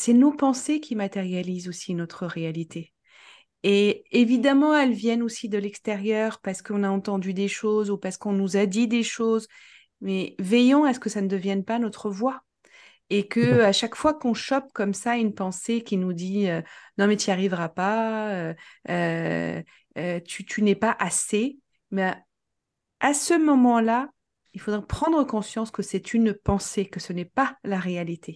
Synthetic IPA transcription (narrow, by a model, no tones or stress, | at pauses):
sɛnopɑ̃sekʲʰimat̪eʁjalizosinɔt̪χəʁealit̪ʰe | eevid̪amɑ̃ɛlvjɛnosid̪əlɛkst̪eʁjœːʁpaʁsə̥kəɔ̃naɑ̃t̪ɑ̃d̪yd̪eʃozupaʁsə̥kɔ̃nuzad̪id̪eʃoz | mɛvɛjɔ̃asə̥kəsanəd̪əvjɛnpanɔt̪χəvwa | ekəaʃakfwakɔ̃ʃɔp̚kɔmsaynpɑ̃sekʲinud̪iønɔ̃mɛt̪yaʁivʁapaøø | t̪yt̪ʰynɛpaʔase | mɛ | asəmɔmɑ̃la | ilfod̪ʁɛpχɑ̃d̪ʁəkɔ̃sjɑ̃skəsɛt̪ʰynpɑ̃sekəsənɛpalaʁealit̪ʰe